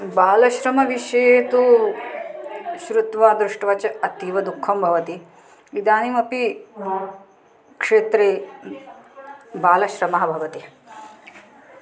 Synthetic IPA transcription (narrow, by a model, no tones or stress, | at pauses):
baːlɐʃɾɐmɐʋiʃɐjeːt̪u | ʃɾut̪ʋaːd̪ɾuʂʈʋɐt͡ʃɐɐt̪iʋɐd̪ukʰːɐmbʱɐʋɐt̪i | id̪aːnimɐpi | kʂeːt̪ɾeː | baːlɐʃɾɐmɐɦɐbʱɐʋɐt̪i